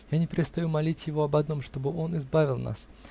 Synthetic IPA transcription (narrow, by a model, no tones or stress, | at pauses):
janʲɪpʲɪɾʲɪt̪st̪ɐjumɐlʲitʲjɪvo̞ɐbɐd̪no̞mʂt̪o̞bɨʔo̞nɪzbavʲɪlˠna̰s